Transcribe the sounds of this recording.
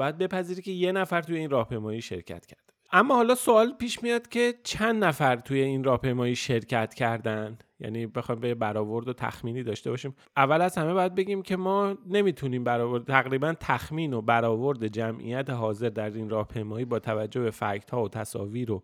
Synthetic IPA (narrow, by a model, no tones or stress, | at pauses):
bɒjæd̪̚be̞pæziːɾice̞je̞næfæɾt̪ujeinrɒːhpʰe̞jmɒːjiːʃe̞̰ɾcʰæ̰t̪cʰæɾd̪̥e | æmːɒːhɒːlɒːsoɒːlpiːʃmijɒːd̪̥cʲʰe̞t͡ʃʰænd̪næfæɾt̪ʰuje̞inrɒːhpe̞jmɒːjiːʃe̞ɾcʰæt̪cʰæɾd̪ænjæ̰niːbe̞xɒjmbejebæɾɒːvo̞ɾd̪ot̪ʰæ̰xmiːniːd̪ɒːʃt̪e̞bɒːʃiːm | ævːælæzhæme̞bɒːjæd̪̚be̞ɟiːmcʰe̞mɒːne̞mit̪ʰuniːmbæɾɒːvoɾd̪t̪ʰæɣɾiːbænt̪ʰæxmiːno̞bæɾɒːvo̞ɾd̪e̞d͡ʒæmʔḭjæt̪ʰeɦɒːze̞ɾd̪æɾinrɒːhpʰe̞jmɒːjiːbɒːt̪ʰævæd͡ʒːo̞hbe̞fæɾct̪ʰhɒːot̪ʰæsɒ̰ːviːɾo